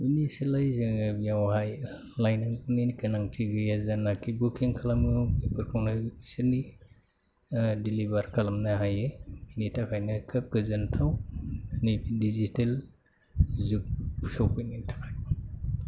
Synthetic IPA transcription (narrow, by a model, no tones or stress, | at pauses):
inisilajzɯŋbijawhaj | lajnaŋkɯninɡɯnaŋtʰiɡɯjazanːakʰibukʰiŋkʰalamɯipʰɯɾkʰawnasiɾni | dilibaɾkʰalamnaɦajeinitʰakʰajnɯkʰɯk̚ɡɯzɯntʰawnidizitel | zuk̚pʰu̥sawkɯnintʰḁkʰaj